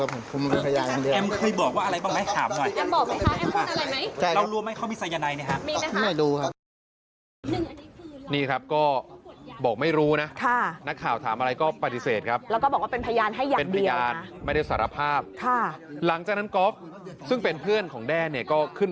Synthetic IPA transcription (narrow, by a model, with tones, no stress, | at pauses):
pʰo˩˦mkʰu˧m˧ɾo˧˩pʰa˧jaː˧na˨˩di˧ɛ˧mkʰɤː˧jbɔː˨˩k̚waː˥˩a˧ɾa˧jbaː˥˩ŋma˥˩t̪ʰaː˩˦mnɔ˨˩jʔɛ˧mbɔː˨˩k̚a˥˩a˥˩ʔɛ˧˩˥ʔa˧ɾa˧jma˦˥jʰa˥˩jɾa˧˦wɾu˧ma˥˩jkʰa˥˩wmi˧sa˧ja˧na˧jna˥˩kʰa˦˥miː˧na˦˥˦na˧˩jduː˧kʰa˦˥p̚ | niː˥˩kʰɾa˦˥p̚kɔː˥˩bɔː˨˩k̚ma˥˩jɾuː˦˥na˦˥kʰa˥˩na˦˥kʰːaː˨˩wt̪ʰaː˩˦mʔa˧ɾa˧jkɔː˥˩pa˧t̪i˧seː˨˩t̪̚kʰa˦˥p̚lɛː˦˥wkɔ˥˩bɔː˨˩kwaː˥pe˧npʰa˧jaː˧nɦa˥˩jːaː˨pe˧n˩pdia˧jaː˧n˦ma˥˩jda˥˩saː˩˦ɾa˧pʰaː˥˩p̚kʰa˥˩la˩˦ŋt͡ɕaː˨˩k̚na˦˥nko˦˥p̚ | sɯ˥˩ŋpe˧npʰɯ˥˩ənkʰɔː˩˦ŋdɛː˥˩nːi˥˩əkɔː˥˩kʰɯ˥˩n